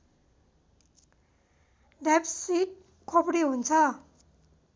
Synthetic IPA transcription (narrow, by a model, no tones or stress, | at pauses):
ɖepsiʈ̚ | kʰopʰɽiɦunt͡sʰʌ